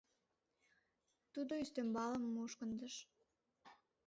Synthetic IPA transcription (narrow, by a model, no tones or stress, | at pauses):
t̪ud̪oyst̪ømbɑləmːuːʃkənd̪əʃ